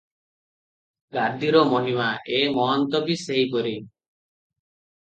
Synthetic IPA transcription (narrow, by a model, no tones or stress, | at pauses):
ɡaɾd̪ʱiɾɔmɔɦimaʔemɔɦɔnt̪ɔbiseɦipɔɾi